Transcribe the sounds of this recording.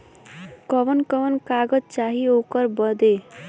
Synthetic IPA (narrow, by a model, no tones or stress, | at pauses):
kʌʋʌnkʌʋənkaɡʌd͡ʒt͡ʃaɦiokʌɾbʌd̪e